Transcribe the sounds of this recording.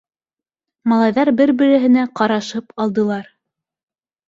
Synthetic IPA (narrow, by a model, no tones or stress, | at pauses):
mɑlˠɑjðɑɾbɘɾbɘ̆ɾɘ̆ɦɘ̆næqɑɾɑʃɤpɑlˠd̪ɤ̆lˠɑɾ